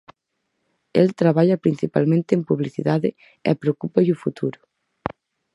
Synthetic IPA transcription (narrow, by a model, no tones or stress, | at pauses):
ɛlt̪ɾaβaʎɐpɾinθipalmẽnt̪ɪempuβliθḭðaðɪ | ɛ̰pɾeokupɐʎufut̪ʰuɾʊ̥